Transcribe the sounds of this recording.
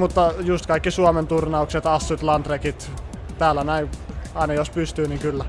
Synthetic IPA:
mut̪ːɑjust̪kɑikːisuoment̪urnɑukset̪ɑsːut̪lɑnt̪rekit̪t̪æːlænæiɑˑinɑjospyst̪yːniŋkylːæ

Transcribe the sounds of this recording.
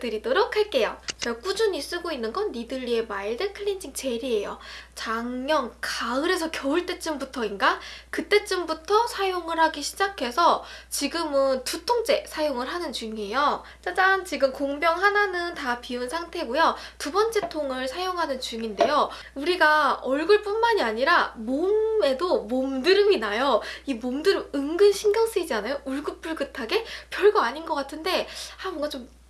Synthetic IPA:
dɯɾidoɾokʰhaɭk͈e̞jot͡ɕʌk͈ud͡ʑuɲis͈ɯɡoinːɯnɡʌnːidɯʎːie̞maidɯkʰɯɭind͡ʑiŋt͡ɕe̞ɾie̞jo̰t͡ɕaŋɲʌnkaɯɾe̞s̬ʰʌkjʌuɭt͈e̞t͡ɕ͈ɯmbutʰʌinɡakɯt͈e̞t͡ɕ͈ɯmbutʰʌsʰajoŋɯɾhaɡiɕʰid͡ʑakʰe̞sʰʌt͡ɕiɡɯmɯntutʰoŋt͡ɕ͈e̞sʰajoŋɯɭɦanɯnt͡ɕuŋiejo | t͡ɕ͈ad͡ʑant͡ɕiɡɯmkoŋbjʌŋɦananɯntapiunsʰaŋtʰe̞ɡujʌtubʌnt͡ɕ͈ʰe̞tʰoŋɯɭsʰajoŋɦanɯnt͡ɕuŋinde̞jo | uɾiɡaʌɭɡɯɭp͈unmaɲiaɲiɾamome̞domomdɯɾɯminajoimomdɯɾɯɯŋɡɯnɕʰinɡjʌŋs͈ɯid͡ʑanajouɭɡɯp̚p͈uɭɡɯtʰaɡe̞pjʌɭɡoaɲinɡʌk͈atʰɯnde̞amʌŋɡat͡ɕom

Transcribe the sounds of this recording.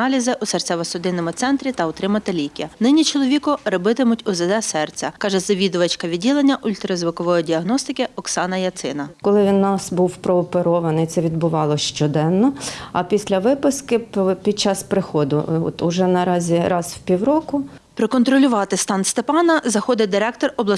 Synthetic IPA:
ɑlʲizɪʔʊsert͡sʲɛʋɐsʊd̪ɪnːɔmʊt̪sɛnt̪ɾʲit̪ɐɔt̪ɾɪmɐt̪ɪlʲikʲɐnɪnʲit͡ʃɔlˠɔʋʲikʊɾɔbɪt̪ɪmʊtʲʊzɛd̪ɛsɛrt͡sʲɐkɑʒɛzɐʋʲid̪ʊʋɐt͡ʃkɐʋʲid̚ʲilˠenʲːɐʔʊlʲt̪ɾɐzʋʊkɔʋɔjidʲiɐɦnɔst̪ɪkʲɪɔksɑnɐjɐt̪sɪ̰nɐkɔlˠɪʋʲinnːɑsbuwpɾɔːpeɾɔʋɐnɪjt̪sɛʋʲid̪bʊʋɑlˠɔʃt͡ʃɔd̪ɛnːɔɐpʲisʲlʲɐʋɪpɪskɪpʲid̪̚t͡ʃɑspɾɪxɔd̪ʊ̰ɔ̰t̪ʊʒɛnɐɾɑzʲiɾɑzwpʲiwɾɔkʊ | pɾekɔnt̪ɾɔlʲʊʋɑt̪ɪst̪ɑnst̪epɑnɐzɐxɔd̪ɪd̪ɪɾɛk̚t̪ɔrɔblˠɐ

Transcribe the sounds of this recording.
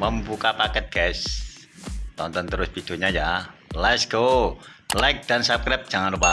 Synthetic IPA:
məmbukapakɛt̪̚ɡ̥ɛs | t̪ɔnt̪ɔnt̪əɾʊsb̥id̪̥oɲajalɛt̪sɡ̥o | lajk̚d̥ansap̚kɾap̚d̥d͡ʒ̥aŋanrupa

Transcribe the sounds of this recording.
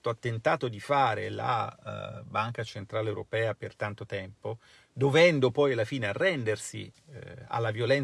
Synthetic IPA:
t̪oat̪ːent̪aːt̪od̪ifaːɾela̰ | baŋkat͡ʃent̪ɾaːlewɾo̰pɛːapert̪ant̪ot̪ɛmpo | d̪ovɛnd̪opɔjalːafiːnearːɛnd̪ersḭ | a̰lːavjolɛn

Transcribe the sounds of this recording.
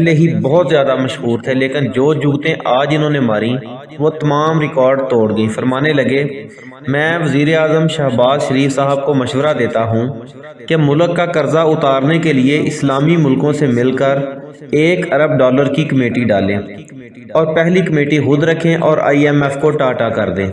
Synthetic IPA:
pɛɦleɦibɔɦt̪zjaːd̪amɐʃɦuːɾt̪ʰɛleːkɪnd͡ʒoːd͡ʒʊɡt̪ẽʔaːd͡ʒɪnõːnemaːɾĩ | ʋot̪ɐmaːmɾɪkɔːɾɖt̪oːɽɡɐĩːfʰəɾmaːnelɐɡe | mɛ̃ːʋəziːɾeaːzəmʃɐɦbaːzʃəɾiːfsaːɦəb̚komɐʃʋəɾad̪eːt̪aɦũ | kemʊləkːakəɾzaʊt̪aːɾnekelɪeʔɪslaːmimʊlkõsemɪlkəɾ | eːkəɾəb̚ɖɔːləɾkikəmeːʈiɖaːlẽː | ɔːɾpɛɦlikəmeːʈiɦʊd̪ɾəkʰẽʔɔːɾʔa̰ːiɛmɛːfkoʈaːʈakəɾd̪ẽː

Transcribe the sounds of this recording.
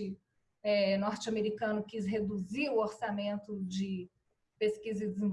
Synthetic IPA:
ɪ | ɛnɔɾt͡ʃɪameɾikɐ̃nʊkisɦed̪uziɾʊoɾsamẽnt̪ʊd͡ʒɪ | peskizɪd͡ʒɪzĩ

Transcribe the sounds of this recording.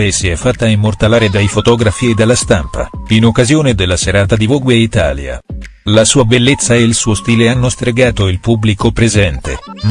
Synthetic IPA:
esiɛfːat̪ːaimːort̪alaːɾed̪ajfot̪ɔːɡɾafied̪alːast̪ampa̰inokːazjoːned̪elːaseɾaːt̪ad̪ivoɡweit̪a̰ːlja̰ | lasuːabelːet̪sːaeilsuːost̪iːleanːost̪ɾeɡaːt̪oilpubːlikopɾezɛnt̪ḛ

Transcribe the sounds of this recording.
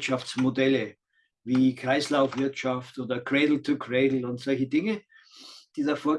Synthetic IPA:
tʃaft͡smodɛlə | viːkʁ̥aɪslaʊfv̥ɪɐtʃaftʔoːdɐkʁ̥eɪdl̩tʰukʰʁeɪdl̩ʊntz̥ɔlçədɪŋə | d̥iːdafoːɐ

